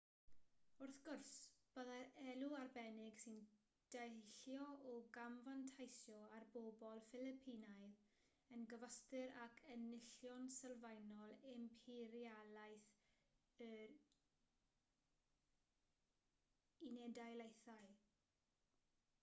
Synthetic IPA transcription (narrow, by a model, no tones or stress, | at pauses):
ʊrθɡ̥ʊrsb̥əðaɛluarbɛnɪɡsɪn | d̥aɬjɔɔɡamvantʰajsjɔarbobɔlˠfɪlɪpʰiːnajð | ənɡəvəstɪɾakʰənɪɬjɔnsəlˠvajnɔlˠɪmpʰiɾialajθ | əɾ | inɛdajlejθaɨ